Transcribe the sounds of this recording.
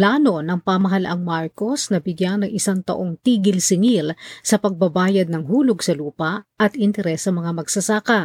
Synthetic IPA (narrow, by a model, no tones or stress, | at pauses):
plaːno̞nɐŋpɐmɐɦɐlɐʔaŋmaɹko̞snɐbɪɡjanɐŋʔɪsaŋt̪ɐ̰ʔo̞ŋt̪iːɡɪlsɪŋilsɐpɐɡ̚bɐbaːjɐd̪̚nɐŋɦuːlo̞ɡsɐluːpɐʔʔɐt̪ɪnt̪ɛɾɛsːɐmɐŋamɐɡsɐsaːkɐ